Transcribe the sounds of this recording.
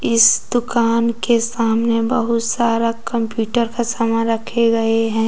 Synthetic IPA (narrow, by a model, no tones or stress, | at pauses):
ɪsd̪ʊkaːnkesaːmnebɐɦʊt̪saːɾakɐ̃mpjuːʈəɾkasɐməɾɐkʰeɡɐeɦɛ̃ː